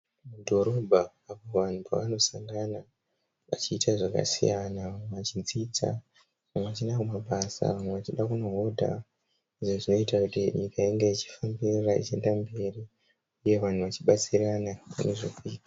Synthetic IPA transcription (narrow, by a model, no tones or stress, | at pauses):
mudʱo̞ɾo̞bʱa | apo̞ʋan̤upa̰ʋano̞saŋɡana | ʋa̰t͡ʃiːtʰaʐaka̰sḭjanaʋamweʋat͡ʃind͡zit͡sa̰ | amweʋat͡ʃinakumaɓasa̰ʋamwe̞ʋat͡ʃiɗakuno̞ɦodʱa̰ | iʐoʐino̞itakutiɲikaiŋɡe̞it͡ʃi̥fambirraḭt͡ʃie̞ndambe̞ri | uje̞ʋan̤uʋat͡ʃiɓat͡siɾanapa̰neʐofiːka